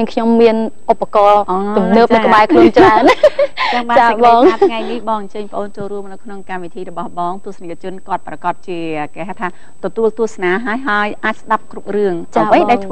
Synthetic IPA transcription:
əəŋkʰɲomːiənʔopːakɑːt̪umnəːpɗkə̆ɓaɛkʰluənt͡ɕraən | ŋɓat͡ɕaːɓɑːŋatŋajnihɓɑːŋɲt͡ɕəːɲpə̆ʔoːnt͡ɕoːlruəmnɨwkʰnoŋkamʋit̪ʰiːrɔɓɑhɓɑːŋt̪ʊəsnikʰːt͡ɕʊ̆ənkŏət̪̚prɑkɑt̪̚t͡ɕiəəkeɦaːt̪ʰaː | t̪ɔt̪uəlt̪uəhsnaːɦaəjɦaəjʔaːc̚sɗap̚krup̚rɨəŋt͡ɕaːʋəjaɛjtʰ

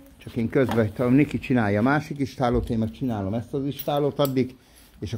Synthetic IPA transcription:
t͡ʃɒkeːŋkøzbɛt̪ɒnekit͡ʃinaːjɒːmaːʃikiʃt̪aːloːt̪eːmmɛkt͡ʃinaːlo̞mɛst̪ɒziʃt̪aːloːt̪ɒd̪ːik | eːʃɒ

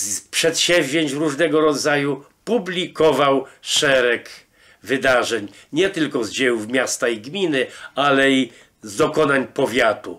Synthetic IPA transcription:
pʂɛt̪ɕɛ̃vʲʑeɲt͡ɕɾuʐnɛɡɔɾɔd̪zajupublʲikɔvawʂɛɾɛk | vɘd̪aʐɛɲɲɛt̪ɘlkɔzd͡ʑɛjuvmʲjast̪aiɡmʲinɘalɛi | zd̪ɔkɔnaɲpɔvʲjat̪u

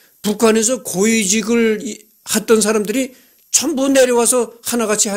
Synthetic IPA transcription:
pukʰane̞sʰʌkoid͡ʑiɡɯɭ | hat̚t͈ʌns̬ʰaɾamdɯɾi | t͡ɕʰʌmbune̞ɾjʌwasʰʌhanaɡat͡ɕʰiɦa

